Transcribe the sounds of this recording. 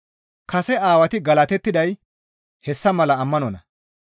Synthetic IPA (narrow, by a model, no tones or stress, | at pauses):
kɐsɛaːwɐt̪ɪɡɐlɐt̪ɛt̪ːɪd̪ɐj | hɛsːɐmɐlɐːmːɐnɔnɐ